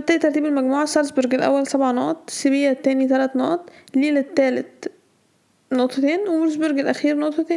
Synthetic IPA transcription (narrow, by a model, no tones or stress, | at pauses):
t̪ːæːit̪ːɑɾˤt̪iːbelmæɡmuːʕasɑɾsboɾɡelʔæ̰wːælsæbʕanoʔt̪ˤsebijːæt̪ːæːnit̪ælæt̪noʔt̪ˤlːiːlæt̪ːæːlet̪̚ | noʔt̪ˤːɑt̪eːnwemoɾs̬boɾɡelʔæxiːɾnoʔt̪ˤɑt̪eːn